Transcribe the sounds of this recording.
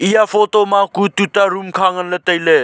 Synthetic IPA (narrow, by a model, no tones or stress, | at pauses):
ijafʰotomakut̪utaɾumkʰaŋənlet̪əjle